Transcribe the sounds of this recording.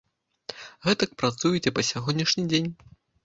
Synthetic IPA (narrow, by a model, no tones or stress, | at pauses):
ɣɛt̪ɐk̚pɾat̪sujɛt͡sʲɛpɐsʲaɣɔnʲːiʂnʲid͡zʲenʲ